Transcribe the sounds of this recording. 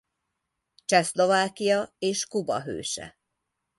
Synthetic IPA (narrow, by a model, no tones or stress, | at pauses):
t͡ʃɛslo̞vaːkijɒeːʃkubɒ̰ɦø̰ːʃɛ̰